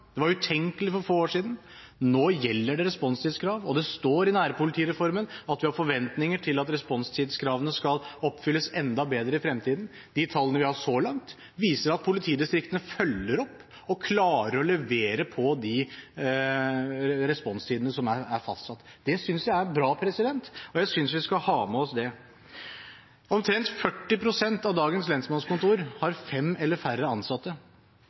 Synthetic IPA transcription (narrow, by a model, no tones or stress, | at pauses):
d̪ɛʋɑɾʉt̪ʰɛŋkəlɪfɔɾfoːoːʂiːd̪n̩ | noːjɛlːəɖɛɾɛspɔnst̪ʰiːd̪skʰɾɑːʋɔd̪ɛst̪oːɾɪnæːɾəpʊlɪt̪ʰiːɾɛfɔɾmənɑt̪ʋɪhɑɾfɔɾʋɛnt̪nɪŋəʈʰɪlɑt̪ɾɛspɔnst̪ʰiːd̪skʰɾɑːʋənəskɑlɔpːfʏlːəsɛnd̪ɑbeːd̪ɾəɪfɾɛmt̪ʰiːd̪n̩ | d̪̥ɪt̪ʰɑlːənəʋɪhɑʂɔːlɑŋt̪ | ʋiːsəɾɑt̪̚pʰʊlɪt̪ʰiːd̪ɪst̪ɾɪk̚t̪ənəfœlːəɾɔpː | ɔkʰlɑːɾəɾɔlɛʋeːɾəpʰɔd̪ɪ | ɾɛspɔnst̪ʰiːd̪ənəsɔmææɾfɑst̪sɑt̪ːd̪̥ɛsʏnsjæɪæɾɛnbɾɑːpʰɾɛsɪd̪ɛnt̪ɔjæɪsʏnsʋɪskɑhɑːmɛɔsd̪ɛ | ɔmt̪ʰɾɛnt̪fœʈːɪpʰɾʊsɛnt̪ɑʋd̪ɑːɡənslɛnsmɑnskʊnt̪uːɾhɑɾfɛmɛlːəɾfærːəɑnsɑt̪ːə